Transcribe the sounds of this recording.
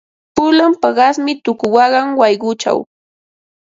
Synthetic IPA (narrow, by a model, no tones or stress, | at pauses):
pʊlampaɢɑsmɪt̪ʊkʊwɑɢɑŋwɑjɢʊt͡ʃa̰w